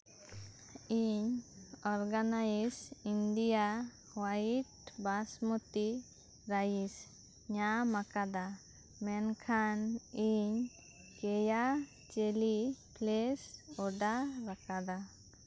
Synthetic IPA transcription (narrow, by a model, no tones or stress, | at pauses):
iɲɔɾɡanaisiɳɖija | waʈ̚basmɔt̪i | ɾajis | ɲamakad̪a | mɛnkʰaniɲ | kɛja | t͡ʃeliplɛsɔɖaɾakad̪a